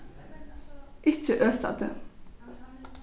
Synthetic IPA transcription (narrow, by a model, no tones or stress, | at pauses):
ʔɪt͡ʃːəʔøːsa̰d̪ə